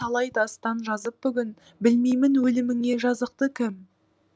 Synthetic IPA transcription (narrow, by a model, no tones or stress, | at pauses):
ɑlˠɑjt̪ɑst̪ɑnʒɑzəp̚bʏɡʲɪn | bɪlmejmɪnwɵlɪmɪŋe̞ʒɑzəq̚t̪əkʲʰɪm